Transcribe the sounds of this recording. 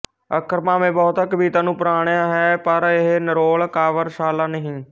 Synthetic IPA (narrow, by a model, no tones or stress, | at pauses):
əkɾmaːmẽːbɔːt̪ːkəbiːt̪ãːnũːpɾaːɽ̃jãːɦɛːpəɾɪɦnəɾoːɭkaːʋəɾʃaːlaːnəɦĩː